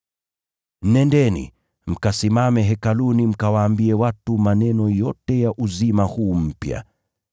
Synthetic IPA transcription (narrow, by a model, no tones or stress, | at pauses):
nɛndɛnḭ | m̩kasimamɛɦɛkalunim̩kawaːmbiɛwatumanɛnɔjɔtɛjaʔuzimahuːm̩pja̰